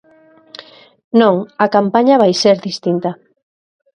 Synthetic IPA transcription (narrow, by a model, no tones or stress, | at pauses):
nõŋakampaɲaβajseɾðist̪int̪ɐ